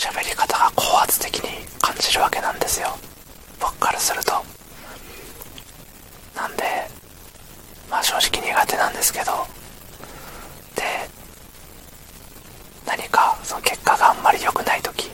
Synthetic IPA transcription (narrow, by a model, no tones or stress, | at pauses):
ɕabe̞ɾʲikat̪aɡakʰo̞ːhat͡sɨ̥t̪e̞kʲiɲ̟ikʰãɲ̟d͡ʑiɾɯ̟βake̞nãnd̪e̞sɨjo̞ | bokːaɾɯ̟sɨɾɯ̟t̪o̞ | nãnd̪e̞ | maːɕo̞ːʑi̥kʲiɲ̟iːɡat̪e̞nãnd̪e̞sɨ̥ke̞d̪o̞ | d̪̥e̞ | naɲ̟ikasonoke̞kːaɡaãmːaɾʲijo̞kɯ̟nait̪o̞kʲi̥